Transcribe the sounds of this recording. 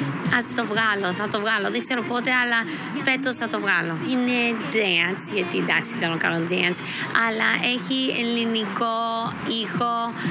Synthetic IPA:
ɐst̪o̞vɣɐloθɐt̪ovɣɐloðekse̞ɾopot̪e̞ɐlɐ | fe̞t̪osθɐt̪o̞vɣɐloined̪eɐnsʝɐt̪id̪ɐksiθeɾoŋkɐ̰nond̪eɐns | ɐ̰lɐʔe̞çiḛliniko | ixo̞

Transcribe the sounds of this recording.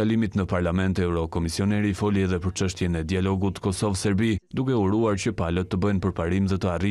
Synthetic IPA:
alimit̪nəpaɾlamɛnt̪ɛwɾɔkɔmisiɔnɛɾifɔliɛðɛpəɾt͡ʃəʃt̪jɛnɛd̪ialɔɡut̪kɔsɔvsɛɾbid̪ukɛuɾuaɾt͡ɕəpalət̪ːəbənpəɾpaɾimðɛt̪əari

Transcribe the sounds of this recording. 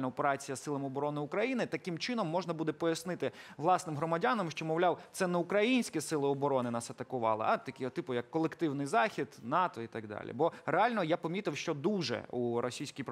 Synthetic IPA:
lnɐɔpeɾɑt͡sʲijɐsɪlˠɐmɔbɔɾɔnɪʊkɾɐjinɪt̪ɐkɪmt͡ʃɪnɔmːɔʒnɐbud̪ɛpɔjɐsnɪt̪ɪʋlˠɑsnɪmɦɾɔmɐdʲanɐmʃt͡ʃɔmɔwlʲawt̪sɛnɛukɾɐjinʲsʲkʲɛsɪlˠɪɔbɔɾɔnɪnɑsɐt̪ɐkʊʋɑ̰lˠɪ̰ʔɐt̪ɐkʲt̪ɪpʊjɐkːɔlˠekt̪ɪwnɪjzɑxʲid̪nɑt̪ɔit̪ɑɡ̚d̪ɑ̰lʲḭbɔreɑlʲnɔjapɔmʲit̪ɪwʃt͡ʃɔd̪uʒɛ̰uɾɔsʲijsʲkʲijp

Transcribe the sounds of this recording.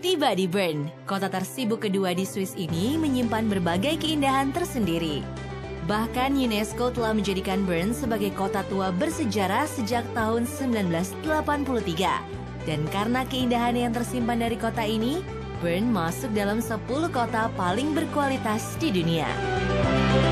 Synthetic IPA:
t̪ibadibərnkot̪at̪ərsibukːəduadiswɪsiniməɲimpanbərbaɡajkəindaɦant̪ərsəndiɾi | bahkanjunɛskot̪əlahməɲd͡ʒadikanbərnsəbaɡajkot̪at̪uabərsəd͡ʒaɾahsəd͡ʒak̚t̪aɦʊnsəmbilanbəlasdəlapanpulut̪iɡa̰ | d̥ankaɾənakəindaɦanjaŋt̪ərsimpandaɾikot̪aini | bərnmasʊk̚dalamsəpuluhkot̪apalɪŋbərkualit̪asdidunia̰

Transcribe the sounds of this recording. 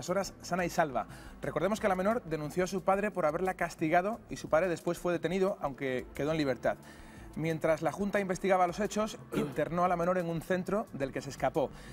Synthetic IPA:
aso̞ɾasːanaisalβa̰rekoɾðemoske̞lameno̞ɾðe̞nũnθjo̞asupaðɾe̞po̞ɾaβe̞ɾlakast̪iɣ̞að̞o̞isupaðɾe̞ðe̞spwe̞sfwe̞ð̞e̞t̪e̞niðo̞ʔawŋke̞ke̞ðo̞e̞nliβ̞e̞ɾt̪að | mje̞nt̪ɾazlaxunt̪aimbe̞st̪iɣaβalo̞set͡ʃo̞sint̪e̞ɾno̞alame̞no̞ɾe̞ŋunθe̞nt̪ɾo̞ðe̞lke̞se̞skapo̞

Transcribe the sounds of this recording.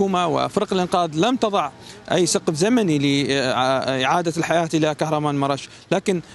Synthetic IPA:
uːmawɪ̰fɪɾqɪlʔɪnqɑːðˤlamt̪ɑðˤɑʕ | ʔajːsɑqfzamanilɪ | ʔɪʕaːd̪alħajaːt̪ʔɪlakahɾˤɑmaːnmɑɾˤɑʃ | laːkɪn

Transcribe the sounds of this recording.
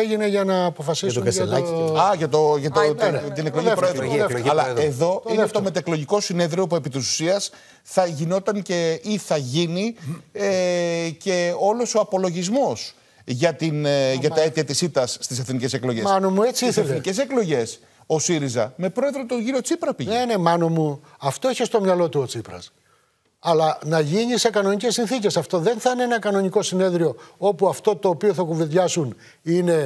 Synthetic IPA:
eʝineʝɐnɐːpofɐsikɐlɐɐʝɐt̪o̞ʝɐt̪ot̪t̪ineklo̞ʝipɾoeðɾoɐlɐeðo̞inet̪ome̞t̪eklo̞ʝiko̞sine̞ðɾio̞pue̞pit̪isu̥siɐs | θɐʝino̞t̪ɐŋce̞iθɐʝiniece̞o̞lo̞so̞ɐpo̞lo̞ʝizmo̞s | ʝɐt̪inʝɐt̪ɐe̞t̪iɐt̪isit̪ɐsːt̪ise̞θnice̞se̞klo̞ʝesɐnomuet͡siiθselθnice̞se̞klo̞ʝe̞s | o̞siɾizɐme̞pɾo̞e̞ðɾo̞t̪oʝiɾio̞t͡sipɾɐpiʝene̞mɐno̞muɐft̪o̞içest̪o̞mɲɐlo̞t̪uot͡sipɾɐ̰s | ɐlɐnɐʝinise̞kɐnoɲice̞sːinθice̞sɐft̪o̞ðe̞nθɐineenɐkɐno̞ɲiko̞sine̞ðɾio̞o̞puɐft̪o̞t̪o̞ːpioθɐkuveðʝɐsun | ine̞

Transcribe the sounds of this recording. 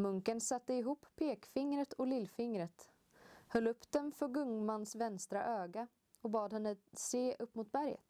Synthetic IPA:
mɵŋkənsat̪ːəɪɦuːpːpʰːeːkfɪŋɾət̪ʰɔlɪlːfɪŋɾət̪ | hœlːɵpːd̪̥ɛnfœɾɡɵŋmanːsvɛnst̪ɾa̰ʔøːɡa | ɔbɑːd̪hɛnːəseːʔɵpːmʊt̪̚bæɾjə̰t̪

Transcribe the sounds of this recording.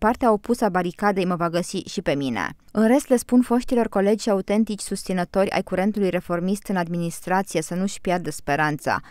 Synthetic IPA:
part̪eaopusabaɾikad̪ejməvaɡəsiʃipe̞minḛɨnɾe̞st̪le̞spunfo̞ʃt̪ilo̞rko̞le̞d͡ʒʃʲaut̪e̞nt̪it͡ʃʲsust̪sinət̪o̞ɾʲa̰jkuɾe̞nt̪ulujre̞fo̞rmist̪ɨnad̪minist̪ɾat̪sije̞sənuʃpjard̪əspe̞ɾant̪sa̰

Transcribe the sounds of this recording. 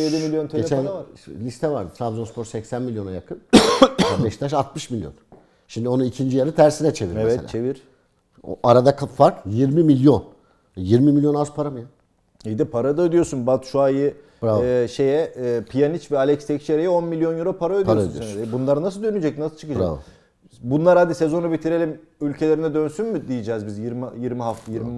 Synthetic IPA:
jed̪imilʲjo̞nt̪ʰeet͡ʃʰænavaɾlʲist̪ʰɛvaɾd̪ɯt̪ʰɾavzonspʰoɾsɛcsænmilʲjo̞najakʰɯnabɛʃt̪ʰaʃ̬at̪mɯʃmilʲjo̰n | ʃimd̪io̞nuicʰind͡ʒijaɾɯt̪ʰæɾsinɛt͡ʃʰeviɾevɛt̪ːt͡ʃʰe̞viɾ̥̰ | ʔaɾad̪akʰafaɾkjiɾmimilʲjo̞n | jiɾmimilʲjo̞nazpʰaɾamɯja | ijd̪ipʰaɾad̪ad̪ijo̞sunbat̪ʃuajɯ | baʃe̞jɛːpʰijanit͡ʃvɛalʲɛcst̪ʰɛct͡ʃʰeɾejɛo̞nmilʲjo̞njuɾopʰaɾaøioɾasnsiɾnbunlˠaɾɯnas̬ɯd̪ø̞nyd͡ʒɛc̚nasɯ̥t͡ʃʰɯkɯd͡ʒaav | bunlˠaɾhad̪ise̞zo̞nubit̪ʰiɾe̞lʲim | ylʲcʰe̞lʲe̞ɾinɛd̪ønsynmyd̪ijid͡ʒɛːzbizjiɾmijiɾmiɦaft̪ʰajiɾmi

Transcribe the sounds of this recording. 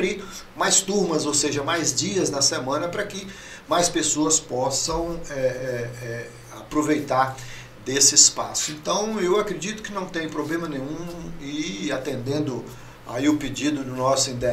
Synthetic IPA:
ɾimajst̪uɾmɐzowseʒɐmajzd͡ʒiɐznɐsemɐ̃nɐpɾɐkɪ | majspesoɐspɔsɐ̃w̃ɛɛɛ | apɾovejt̪aɾ | d̪esɪːspasʊẽnt̪ɐ̃w̃ewakɾed͡ʒit̪ʊ̥kɪnɐ̃w̃t̪ẽj̃pɾoblẽmɐnẽɲũɪat̪ẽnd̪ẽnd̪ʊ | a̰iʊpɪd͡ʒid̪ʊd̪ʊnɔsʊĩnd̪e

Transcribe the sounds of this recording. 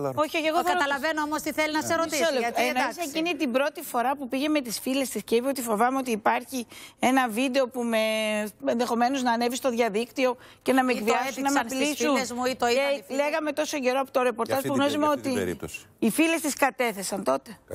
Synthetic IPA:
o̞çioçeɣoθɐt̪ɐlɐvenoomost̪iθelinɐseɾoisɐenosecinit̪ibɾo̞t̪ifo̞ɾɐpupiʝe̞me̞t̪isfile̞st̪isce̞ipeo̞t̪ifo̞vɐmeo̞t̪iːpɐɾçie̞nɐvid̪e̞o̞pume̞enðe̞xo̞me̞noznɐːnevist̪o̞ðʝɐðikt̪io̞ | ce̞nɐmekviɐssunɐmeplisunzmuit̪oieleɣɐme̞t̪o̞so̞ɟe̞ɾoɐpot̪o̞ɾe̞po̞ɾɐspuɣnozimeo̞t̪iḭifile̞st̪iskɐt̪e̞θe̞sɐnt̪o̞t̪e̞

